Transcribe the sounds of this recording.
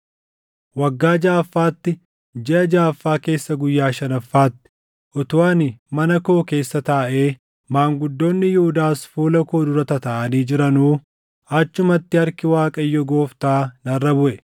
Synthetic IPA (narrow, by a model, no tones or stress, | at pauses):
wɐɡːaːd͡ʒaːfːaːt̪ːɪ | d͡ʒɛʔɐd͡ʒaːfːaːke̞ːsːɐɡʊjːaːʃɐnɐfːaːt̪ːɪ̥ | ʔɔt̪ʊwaːnɪmɐnɐko̞ːke̞ːsːɐt̪aːʔe̞ː | maːŋɡʊd̪ːo̞ːnːɪjuhʊd̪aːsfuːlɐko̞ːd̪ʊɾɐt̪ɐt̪ɐʔɐniːd͡ʒɪɾɐnuː | ɐt͡ʃːʊmɐt̪ːɪhɐɾkɪwaːkʼɐjːɔɡo̞ːft̪aːnɐrːɐbʊʔɛ